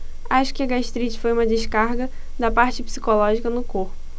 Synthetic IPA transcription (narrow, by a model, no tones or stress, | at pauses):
aʃʊ̥kɪɐɡaʃt̪ɾit͡ʃɪ̥fojũmɐd͡ʒɪʃkaɾɡɐ | d̪ɐpaɾt͡ʃɪpsi̥kolɔʒikɐnʊkoɾpʊ̥